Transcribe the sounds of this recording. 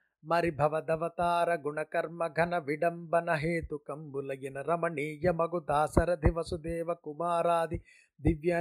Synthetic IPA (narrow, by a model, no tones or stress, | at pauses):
mɐɾibʱɐʋɐd̪ɐʋɐt̪aːɾɐɡuɳɐkɐɾmɐɡʱɐnɐʋiɖɐmbɐnɐɦeːt̪ukɐmbulɐjinɐɾɐmɐɳiːjɐmɐɡud̪aːsɐɾɐd̪ʱiʋɐsud̪eːʋɐkumaːɾaːd̪ʱi | d̪iʋjɐ